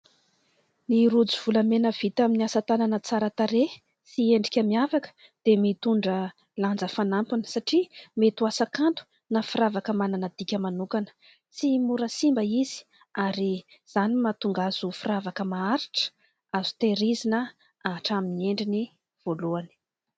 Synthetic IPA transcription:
niɾud͡ziv̥ulamenəv̥it̪aminiasat̪ananət͡saɾət̪aɾe | sieɳɖ͡ʐikʲamiavakə̥ | d̪̥emit̪uɳɖ͡ʐə | land͡zəfanampunə̥saʈ͡ʂimet̪uasakant̪u̥ | nafiɾavakəmananəd̪ikʲəmanukanə̥ | simuɾəsimbəizi̥ | aɾiz̥animat̪uŋɡazufiravakəmaaɾiʈ͡ʂə̥ | azu̥t̪eɾizinə | aːʈ͡ʂaminieɳɖ͡ʐini | v̥oluani̥

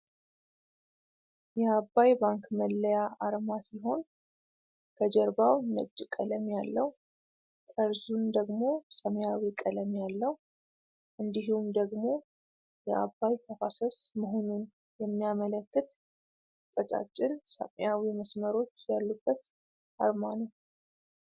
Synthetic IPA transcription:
jɛabːajbaŋkməlːəjaaɾmasiɦo̞n | kʰəd͡ʒɛɾbawnə̰t͡ʃʼːkʼələmjalːəw | t̪ʼəɾzund̪əɡmo̞səmjawikʼələmjalːəw | ʔɨnd̪iɦumd̪əɡmo̞ | jɛʔa̰bːajt̪ʰəfasəsməɦonun | jɛmːijamələkːɨt̪ | t̪ʼət͡ʃʼa̰t͡ʃʼːɪnsə̰mjawiməsməɾo̞t͡ʃːjalːubːət̪ | ʔaɾmanəw

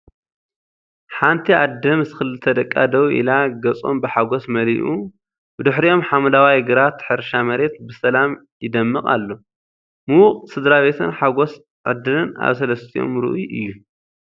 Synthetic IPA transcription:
ħant̪ʰiʔad̪ːɐmzɨxɨlːɨt̪ʰɐd̪ɐkʼːad̪ɐwʔḭlaɡɐt͡sʼo̰mbɨħaɡo̞smɐliʔu | bɨd̪ɨħɾio̞mħamɐlawajɡɨɾat̪ħɨɾʃamɐɾe̞t̪bɨsɐlam | jɪd̪ɐmːɨkʼa̰lːo̞ | mɨwʊqʼsɨd̪ɾaβe̞t̪ʰɨnħaɡo̞s | ʕɨ̰d̪ːɨlɨna̰βsɐlɐst̪ʰijo̞̰mɾɨ̰ʔujʔɨjːu

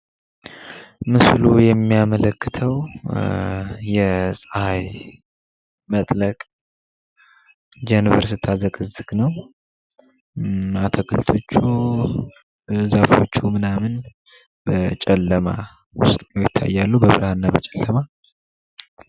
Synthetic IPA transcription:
mɨslujɛmːijamələkːɨt̪ʰəw | jɛsʼəhaj | mət̪ʼləkʼ | d͡ʒɛnɨvəɾsɨt̪ʰazəkʼɨzːɨɡnəw | at̪ʰəkʰʼɨlt̪ʰo̞t͡ʃːu | zafo̞̰t͡ʃːumɨnamɨn | bət͡ʃʼɛlːəma̰ | wʊ̰st̪ʼnəwjɪt̪ʰːa̰jːalːubəβɨɾhanːabət͡ʃʼɛlːəma

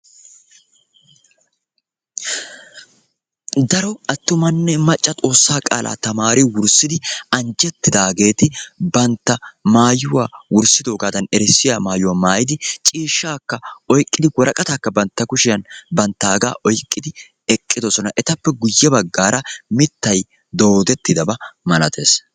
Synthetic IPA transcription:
d̪ɐɾɔɐt̪ːʊmɐnːɛmɐt͡ʃʼːɐt̪ʼo̞ːsːaːkʼa̰ːlʔa̰ːt̪ɐmaːɾɪwʊɾsɪd̪ɪɐnd͡ʒɛt̪ːɪd̪aːɡe̞ːt̪ɪbɐnt̪ːɐmaːjʊwaːwʊɾsɪd̪o̞ːɡaːd̪ɐnɛɾɛsːɪjaːmaːjʊwaːmaːjɪd̪ɪt͡ʃʼiːʃːaːkːɐɔjkʼːɪd̪ɪwɔɾɐkʼɐt̪aːkːɐbɐnt̪ːɐkʊʃɪjɐnbɐnt̪ːaːɡa̰ːʔɔjkʼːɪd̪ɪ | ɛkʼːɪd̪ɔsɔnɐʔɛt̪ɐpːɛɡʊjːɛbɐɡːaːɾɐmɪt̪ːɐj | d̪o̞ːd̪ɛt̪ːɪd̪ɐbɐmɐlɐt̪ʰe̞̰ːs

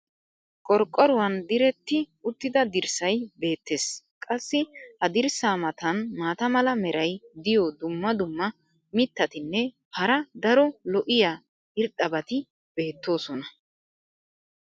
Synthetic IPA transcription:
kʼɔɾkʼːɔɾʊwɐnd̪ɪɾɛt̪ːɪʊt̪ːɪd̪ɐd̪ɪɾsɐjbe̞ːt̪ːe̞ːs | kʼɐsːɪhɐd̪ɪɾsaːmɐt̪ɐnmaːt̪ɐmɐlɐmɛɾʔɐjd̪ɪjɔd̪ʊmːɐd̪ʊmːɐ | mɪt̪ːɐt̪ɪnːɛ | hɐɾɐd̪ɐɾɔlɔʔɪjaː | ɪɾɗɐbɐt̪ɪ | b̥e̞ːt̪ːo̞ːsɔnɐ

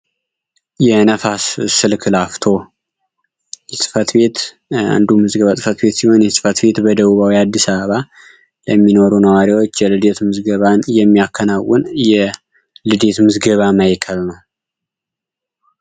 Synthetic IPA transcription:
jɛnəfassɨlkʰɨlaft̪ʰo̞ | jɛsʼɨ̥fət̪be̞t̪ | a̰nd̪umɨzɡəβasʼɨfət̪be̞t̪siho̞njɛsʼɨ̥fət̪be̞t̪bəd̪əβuβawijad̪ːisaβəβa | ləmːino̞ɾunəwaɾiwo̞t͡ʃːjɛlɨd̪e̞t̪mɨzɡəβanjɛmːiakʰːənawʊnjɛ | lɨd̪e̞t̪mɨzɡəβamajkʰəlnəw

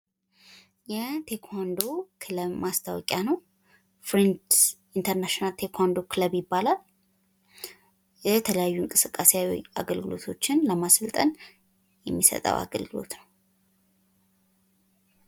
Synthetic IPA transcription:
jɛt̪ʰe̞kʰand̪o̞kʰɨləbmast̪ʰawɔkʼjanəw | fɾint̪ | int̪ʰəɾnaʃonalt̪ʰe̞kʰand̪o̞kʰɨləbjɪbːalal | jɛt̪ʰələjajːuɨŋkʼɨsɨkʼːaseaw̰aɡəlɡɨlo̞̰t̪ʰo̞t͡ʃːɪnləmasɨlt̪ʼən | jɛmːisə̰t̪ʼə̰wa̰ɡə̰lɡɨlo̞̰t̪nəw

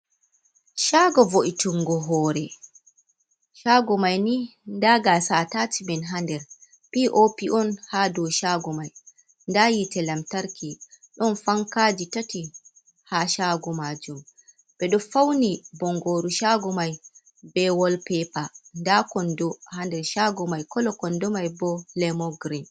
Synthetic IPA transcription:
ʃaːɡɔvoʔituŋɡɔɦɔːɾɛ | ʃaːɡɔmajnindaːɡasatatibɛnɦandɛɾ | piʔopiʔɔnhadɔʃaɡɔmaj | ndajitɛlamtaɾkʰi | ɗɔnfaŋkad͡ʒitati | haʃaɡɔmad͡ʒum | bɛɗɔfawnibɔŋɡoɾuʃaɡɔmaj | bɛwɔlpɛpandakɔndɔhandɛɾʃaɡɔmajkɔlɔkɔndɔmajbɔlɛmɔɡɾin

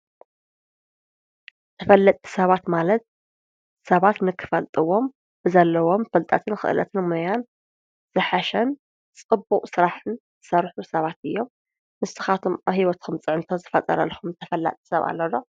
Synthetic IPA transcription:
t̪ʰɐfɐlːɐt̪ʼi̥sɐβat̪malɐt̪̚ | sɐβat̪nɨkʰːɨ̥fɐlt̪ʼɨwo̞m | bɨzɐlːɐwo̞mfɐlt̪ʼa̰t̪ʰɨnxɨ̰ʔɨlʔɐ̰t̪ʰɨnmojan | z̥ɨħaʃɐn | t͡sʼɨbːuqʼsɨɾaħɨnzɨsɐɾħusɐβat̪ɨjːo̞m | mɨst̪ɨxat̪ʰumaβhiwɐt̪kʰɨmt͡sʼɨʕɨnt̪ʰozɨfɐt̪ʼɐ̰ɾɐ̰lxumt̪ʰɐfɐlːa̰t̪ʼi̥sɐβa̰lːɐlo̞

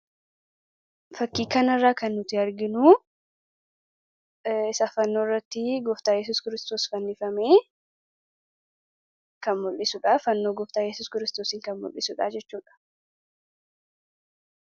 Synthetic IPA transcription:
fɐkːiːkːɐnɐrːaːkɐnːʊt̪ɪɐɾɡɪnuː | ɪsafɐnːoːɪrːɐt̪ːɪɡɔft̪aːjɛs̬uːskɪɾɪst̪oːsfɐnːɪfɐmeː | kɐnmɔlʔɪsʊᶑaːfɐnːo̞ːɡɔft̪aːjɛsuːskɪɾɪst̪oːsɪŋkɐnmɔ̰lʔɪsʊᶑa̰ːd͡ʒɛt͡ʃːuːᶑɐ̥

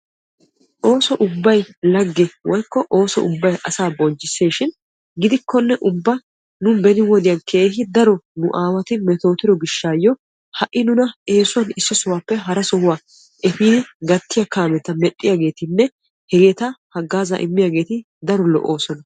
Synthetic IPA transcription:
ʔo̞ːsɔʔʊbːɐjlɐɡːɛwɔjkːɔʔoːsɔ̰ʔʊbːɐjʔɐsaːbɔnt͡ʃːɪsːe̞ːʃɪn | ɡɪd̪ɪkːɔnːɛʔʊbːɐ | nʊnbɛnɪwɔd̪ɪjɐnkʰe̞ːɦɪd̪ɐɾɔnʊʔaːwɐt̪ɪmɛt̪o̞ːt̪ɪɾɔɡɪʃːaːjɔ | hɐʔːɪnʊnɐʔe̞ːsʊɐnɪsːɔsʊwaːpːɛɦɐɾɐsɔhʊwaː | ʔɛfiːd̪ɪɡɐt̪ːɪjɐkaːmɛt̪ɐmɛɗʼːɪjaːɡe̞ːt̪ɪnːɛ | hɛɡeːt̪ɐhɐɡːaːza̰ʔɪmːɪjaːɡe̞ːt̪ɪ | d̪ɐɾɔlɔ̰ʔoːsɔnɐ

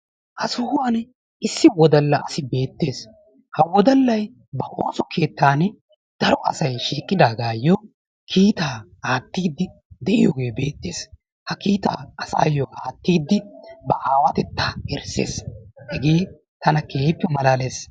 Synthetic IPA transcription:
ʔɐsʊhʊwɐn | ɪsːɪwɔd̪ɐlːɐʔɐsɪbe̞ːt̪ːe̞ːs | hɐwɔd̪ɐlːɐj | bɐʔo̞ːsɔkʰe̞ːt̪ːaːn | d̪̥ɐɾɔʔɐ̰sɐjʃiːkʼːɪd̪aːɡaːjːɔ | kʰiːt̪aː | aːt̪ːiːd̪ːɪ | d̪ɛʔɪjoːɡe̞ːbe̞ːt̪ːeːs | hɐkiːt̪a̰ːɐsa̰ːjɔʔaːt̪ːiːd̪ːɪbɐʔaːwɐt̪ɛt̪ːaːɛɾsḛːshɛɡeː | t̪ɐnɐkeːpːɛmɐlaːle̞ːs

